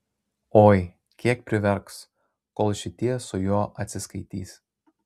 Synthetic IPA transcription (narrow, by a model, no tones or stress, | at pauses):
oːj | kʲiɛk̚pʲɾʲɪʋʲɛɾks | koːlˠʃʲɪt̪ʲiɛsʊjuːʔɐt̪ʲsʲɪskɐɪt̪ʲḭːs